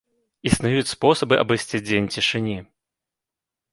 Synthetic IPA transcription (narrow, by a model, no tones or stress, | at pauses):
isnajut͡sʲspɔsɐbɨʔɐ̰bɨjsʲt͡sʲid͡zʲenʲt͡sʲiʂɨnʲi